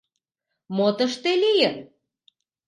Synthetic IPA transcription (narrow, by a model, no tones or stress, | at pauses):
mot̪əʃt̪elijən